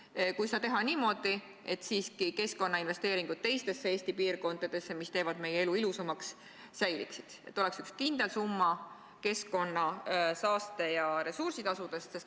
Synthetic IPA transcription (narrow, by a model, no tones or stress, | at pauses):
kujse̥ɑt̪e̞ɦɑniːmo̞d̪̥i | e̞t̪ːˑsiːskike̞sko̞nːɑinve̞st̪eːɾiŋɡ̥ut̪̚t̪e̞jst̪e̞sːeeːst̪ipiːrko̞nd̪̥ɑd̪̥e̞sːemist̪e̞ːvɑd̪me̞jee̞luilusɑmɑksː | æjlḭksid̪̥e̞t̪ːˑo̞le̞ksykskind̪̥e̞lsumːɑ | ke̞sko̞nːɑsɑːst̪e̞jɑɾe̞sursit̪ɑsud̪̥e̞st̪ses